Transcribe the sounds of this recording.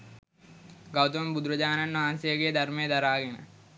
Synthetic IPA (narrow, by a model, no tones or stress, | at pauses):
ɡɐwt̪ɐʋɐmbud̪ɾɐd͡ʑaːnɐnʋaːnsijɐɡejɐd̪ɐrmɐjɐd̪ɐɾaːɡenə̰